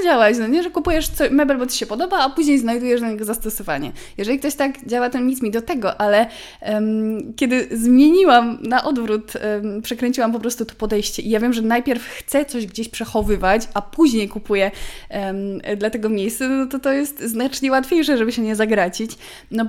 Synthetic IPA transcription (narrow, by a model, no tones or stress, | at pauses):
d͡ʑawat͡ɕnɔɲɛʐɛkupujɛʂt̪sɔɕmɛbɛlbɔt̪ɘ̥ɕɛpɔd̪ɔbaːpuʑɲejznajd̪ujɛʐd̪aɲɛɡɔzast̪ɔsɔvaɲɛ̰jɛʐɛlʲik̚t̪ɔɕt̪aɡd͡ʑawat̪ɛmɲit̪smʲid̪ɔt̪ɛɡɔʔalɛ | kʲɛd̪ɘzmʲjeɲiwamnaʔɔd̪vɾut̪pʂɛkɾɛɲt͡ɕiwamp̬ɔpɾɔst̪ut̪ɔ̥pɔd̪ɛjɕt͡ɕɛʔijavʲjɛmʐɛnajpʲjɛɾfxt̪sɛt̪sɔʑɡd͡ʑeɕpʂɛxɔvɘvat͡ɕapuʑɲejkupujɛ | d̪lat̪ɛɡɔmʲjejst̪sɛnɔnɔt̪ɔt̪ɔjɛst̪znat͡ʂɲɛwat̪fʲjejʂɛʐɛbɘɕɛɲɛzaɡɾat͡ɕit͡ɕ | nɔ